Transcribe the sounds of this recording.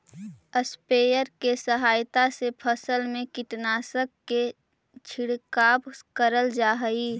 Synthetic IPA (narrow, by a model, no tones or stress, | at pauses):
əspeːjəɾkesəɦaːjt̪asepʰəsəlmẽkɪʈnaːsəkːe | t͡ʃʰɪɽkaːbkəɾəld͡ʒaːɦəiː